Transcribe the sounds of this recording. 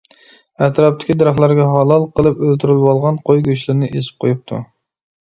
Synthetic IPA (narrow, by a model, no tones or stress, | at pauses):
æt̪ɾɑp̚t̪ʰɪ̥kʲid̪ɨɾɑχlˠɑɾɡʲɛɦɑlˠɑlˠqʰəlˠɨpølt̪ʰyɾylwɑlˠʁɑnqʰojɡʲyt͡ʃlˠɨɾnɨʔesɪ̥p̚qʰojup̚t̪ʰṵ